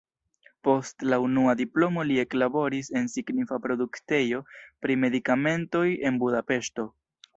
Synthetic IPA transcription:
po̞stlaunuadiplo̞mo̞lie̞klabo̞ɾise̞nsiɡnifapɾo̞dukte̞jo̞pɾime̞dikame̞nto̞je̞nbudape̞ʃto̞

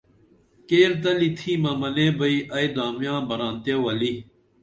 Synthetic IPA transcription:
keːɾt̪ɐlit̪ʰimɐmɐnẽːbɐiʔɐjd̪aːmjãːbɐɾãːnt̪ewɐli

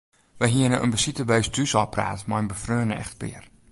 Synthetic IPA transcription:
ʋəjɦiənəʔə̰nbəsitəbeːsdysɔpra̰ːtmaənbəfrøːnəɛ̰xtpɪ̰ər

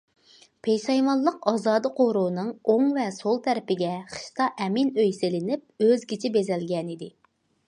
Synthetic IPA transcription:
pʰejʃɑjmɑlˠːəqɑːzɑːd̪ɨqʰoɾuːnɨŋoŋvɛsolˠt̪ʰɛɾɪpɪɡʲɛχə̥ʃt̪ɑʔɛminøjsɪlɪnɪp̚øzɡʲit͡ʃʰɪbezɛlɡʲɛnid̪ɪ

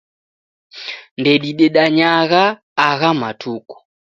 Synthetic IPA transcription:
ndɛɗiɗɛɗaɲaɣaː | ɣamatʰuku̥

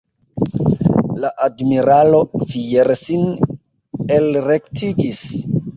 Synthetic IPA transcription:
laʔadmiɾalo̞fieɾsin | elɾektʰiɡis

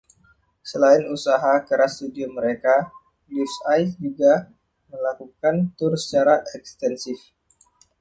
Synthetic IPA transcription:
səlaɪnusaɦakəɾast̪udioməɾeka | lifsajd͡ʒuɡa | məlakukant̪ʊrsə̥t͡ʃaɾaʔɛkst̪ɛnsɪf

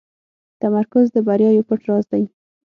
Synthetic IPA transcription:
t̪amaɾkʊzd̪əbaɾjɑjopəʈɾɑzd̪aj

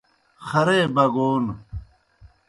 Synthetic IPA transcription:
xɐɾebɐɡoːn

